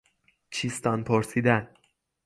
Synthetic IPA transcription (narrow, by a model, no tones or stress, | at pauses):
t͡ʃʰist̪ɒnpʰoɾsiːd̪æn